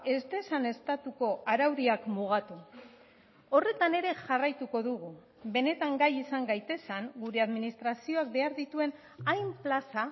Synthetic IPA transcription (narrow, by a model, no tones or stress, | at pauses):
e̞zt̪e̞sane̞st̪at̪uko̞aɾawɾiakmuɣ̞at̪u | o̞re̞t̪ane̞ɾe̞ʝarajt̪uko̞ðuɣu | be̞ne̞t̪aŋɡajisaŋɡajt̪e̞saŋɡuɾe̞aðminist̪ɾasio̞ak̚be̞aɾðit̪ue̞n | ajmplasa